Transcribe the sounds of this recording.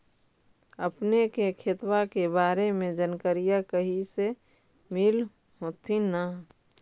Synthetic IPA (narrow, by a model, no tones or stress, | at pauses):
əpnekekʰet̪wakebaːɾemẽd͡ʒənkəɾijakəɦise | mɪl | ɦoːt̪ʰinə